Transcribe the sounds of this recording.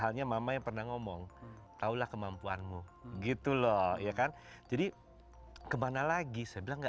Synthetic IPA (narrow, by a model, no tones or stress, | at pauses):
ɦalɲamamajaŋpərnahŋomɔŋt̪aulahkəmampuanmuɡit̪ulɔhjakan | d͡ʒadi | kəmanalaɡisajabilaŋɡa